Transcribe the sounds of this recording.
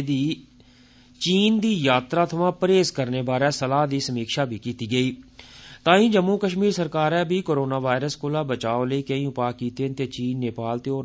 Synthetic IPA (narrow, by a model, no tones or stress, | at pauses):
d̪iː | t͡ʃiːnd̪iːjaːt̪ɾaːt̪ʰəʋãːpɾeːzkəɾneːbaːɾɛːsəlaːɦd̪iːsəmiːkʃaːbʱiːkiːt̪iːɡəiːt̪ãːĩːd͡ʒəmːuːkəʃmiːɾsəɾkaːɾɛːbʱiːkoːɾoːnaːʋaːɪɾəskoːlaːbət͡ʃaːoləiːkəĩːʊpaːkiːt̪eːnt̪eːt͡ʃiːnːeːpaːlt̪eːoː